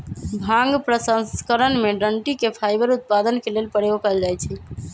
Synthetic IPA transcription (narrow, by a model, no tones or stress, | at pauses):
bʱãŋɡpɾəsə̃skəɾənmeɖəɳʈikepʰajbəɾut̪̚pad̪ənkelelpəɽejokəld͡ʒajt͡ʃʰɛ